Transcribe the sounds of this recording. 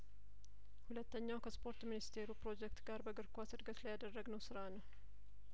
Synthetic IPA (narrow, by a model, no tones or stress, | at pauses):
hulət̪ːəɲːawkʰəspʰo̞ɾt̪minist̪ʰe̞ɾupɾo̞d͡ʒɛkt̪ɡaɾbəɡɨɾkʷasɨɾɡət̪lajad̪ərːəɡnəwsɨɾanəw